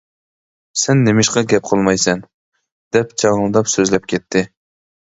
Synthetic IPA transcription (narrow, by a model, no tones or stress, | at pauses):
sɛnːemɪʃqɑɡʲɛp̚qʰəlˠmɑjsɛn | d̪̥ɛpt͡ʃʰɑʁəlˠd̪ɑpsøzlɛp̚kʲʰɛt̪ʰːɪ